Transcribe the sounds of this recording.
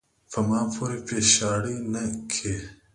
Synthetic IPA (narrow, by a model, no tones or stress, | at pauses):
fɐmaːpʰoɾepeːɕaːɽinɐkʰe